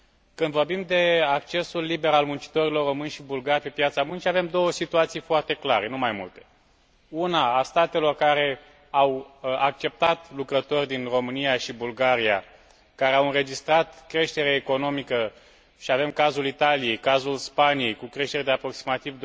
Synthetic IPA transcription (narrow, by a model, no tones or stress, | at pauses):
kɨnd̪vo̞rbimd̪e̞ak̚t͡ʃe̞sulːibe̞ɾalmunt͡ʃi̥t̪o̞ɾilo̞rːo̞mɨnʲʃibulɡarʲpe̞pjat̪samunt͡ʃiave̞md̪o̞wəsit̪uat̪sijfoart̪e̞klaɾe̞numajmṵlt̪e̞̥ | unaːst̪at̪e̞lo̞rkaɾe̞ | awak̚t͡ʃe̞p̚t̪at̪lukɾət̪o̞rʲd̪inro̞mɨnijaʃibulɡaɾia | kaɾe̞awɨnɾe̞d͡ʒist̪ɾat̪kɾe̞ʃt̪e̞ɾeːko̞no̞mikə | ʃiave̞mkazulit̪alije̞jkazulspanije̞jkukɾe̞ʃt̪e̞ɾed̪eapɾo̞ksimat̪ivd̪